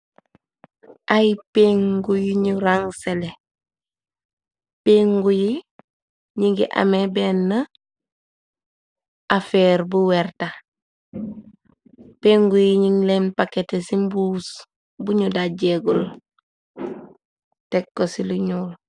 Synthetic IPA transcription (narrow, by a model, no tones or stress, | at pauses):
ʔajipeːŋɡujiɲuɾaŋsele | peːŋɡuji | ɲiŋɡḭʔa̰mebeːnːə | ʔafeːɾbuweɾta | peŋɡujiɲiŋlenpaketesimbuːs | buɲudaɟeɡul | tekːosiluɲuːl